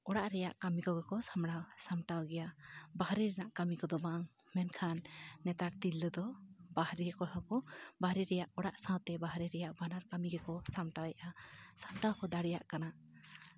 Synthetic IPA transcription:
ɔɽaʔɾɛjaʔkamikɔɡɛkɔsamɽawsamʈawɡɛjabahɾiɾɛnaʔkamikɔd̪ɔbaŋ | mɛnkʰanːɛt̪aɾt̪ilːəd̪ɔbahɾiɾɛkɔɾãkɔbahɾiɾɛjaʔɔɽaʔsãwt̪ɛbaɦɾiɾɛjaʔbanaɾkamiɡɛkɔsamʈawjaʔasamʈawkɔd̪aɽɛjaʔkana

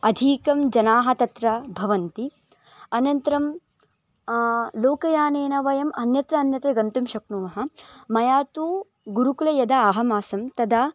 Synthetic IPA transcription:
ɐd̪ʱiːkɐmd͡ʒɐnaːɦɐ̆t̪ɐt̪ɾɐbʱɐʋɐnt̪i | ɐnɐnt̪ɐɾɐm | loːkɐjaːneːnɐʋɐjɐmʔɐnjɐt̪ɾɐːnjɐt̪ɾɐɡɐnt̪umʃɐknumɐɦɐ̆mɐjaːt̪uː | ɡuɾukulɐjɐd̪ɐaːɦɐmaːsɐmt̪ɐd̪a

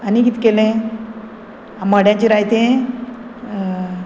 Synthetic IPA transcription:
anikit̪ikelẽ | aməɽjãɲt͡ɕiɾajt̪e

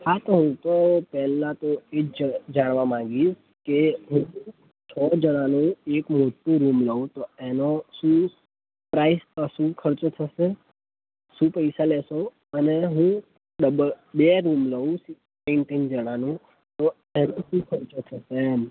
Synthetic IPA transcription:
hat̪oɦũt̪opɛɦlːãt̪oed͡ʒaɽ̃ʋamãŋɡiʃ | keɦũ | t͡ʃʰɔd͡ʒəɽ̃anũekmoʈːũɾumləũt̪oenoʃũ | pɾaispasũkʰəɾt͡ʃot̪ʰəʃe | ʃũpəjsalɛso | əneɦũ | ɖəbə | beɾumləũsi | peɪɳʈind͡ʒəɽ̃anũ | t̪o | enũʃũkʰəɾt͡ʃot̪ʰəʃe

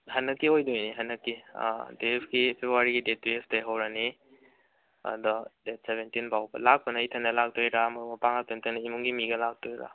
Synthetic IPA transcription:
hɐnːɐkːiojdojniɦɐnːɐkːḭdepɡipʰebɾuwaɾiɡidet̚besteɦɐwɾɐni | ɐ̰dɐdet̚seβentinbʱawbɐ̰lak̚pɐnɐjtʰɐnːɐlak̚tojɾamɐumɐpaŋatemtʰɐnɐimuŋɡimiɡɐlak̚toiɾa̰

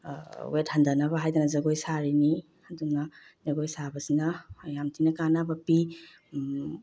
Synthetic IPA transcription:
wethandanaβaɦajdanɐzaɡojsaɾini | ɐduŋna | zaɡojsabɐsinɐjamtʰinɐkanabɐpi

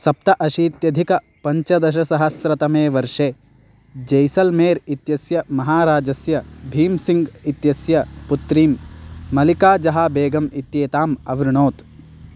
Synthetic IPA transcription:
sɐp̚t̪ɐʔɐʃiːt̪jɐd̪ʱikɐ | pɐɲt͡ʃɐd̪ɐʃ̬ɐsɐɦɐsɾɐt̪ɐmeːʋɐɾʂeː | d͡ʒɐjsɐlmeːɾit̪jɐsjɐmɐɦaːɾaːd͡ʒɐsjɐbʱiːmsiŋɡit̪jɐsjɐput̪ɾiːmːɐlikaːd͡ʒɐɦaːbeːɡɐmit̪jeːt̪aːmɐʋɾuɳoːt̪

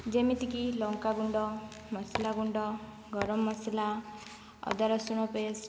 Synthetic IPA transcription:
d͡ʒemit̪ikilɔŋkaɡuɳɖɔ | mɔslaɡuɳɖɔ | ɡɔɾɔmːɔsla | ɔ̰d̪aɾɔsuɽ̃ɔpes

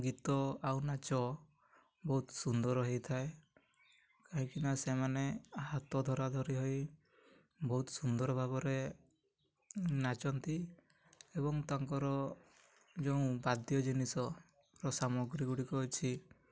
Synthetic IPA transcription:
ɡit̪ɔawnat͡ʃɔ | bɔɦut̪sund̪ɔɾɔɦejt̪ʰae | kaɦĩkinasemaneaɦat̪ɔd̪ʱɔɾad̪ʱɔɾiɦoj | bɔɦut̪sund̪ɔɾɔbʱabɔɾe | nat͡ʃɔnt̪i | eβɔŋt̪aŋkɔɾɔ | d͡ʒeũbad̪jɔd͡ʒinisɔ | ɾɔsamɔɡɾiɡuɽikɔt͡ʃʰi

